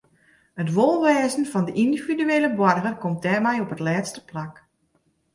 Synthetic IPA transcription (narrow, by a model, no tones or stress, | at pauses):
hətʋolˠʋɛːzən̩fɔndəʔindividyeːləbwɔrɣərkɔmt̚dɛːrmɛjɔpətlɛːtstə̥plak